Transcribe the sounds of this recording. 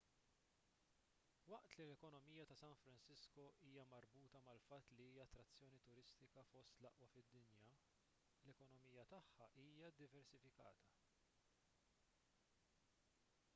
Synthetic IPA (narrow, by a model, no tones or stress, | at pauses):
wɐʔt̪lilɛkɔnɔmijɐt̪ɐsɐnfɾɐnsɪskɔiːjɐmɐɾbuːt̪ɐmɐlfɐt̪ːliiːjɐːt̪ːɾɐt͡sːjɔːnit̪ʊɾɪst̪ɪkɐfɔst̪lɐʔwɐfɪd̪ːɪnjɐ | lɛkɔnɔmijɐt̪ɐħːɐʔiːjɐd̪ɪvɛɾsɪfɪkɐ̰ːt̪ɐ